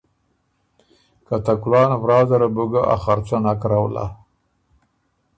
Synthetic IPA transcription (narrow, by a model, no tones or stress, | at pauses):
kat̪aklɑːnvɾɑːd̪aɾabuɡaʔa̰xaɾt͡ʃanakɾawla̰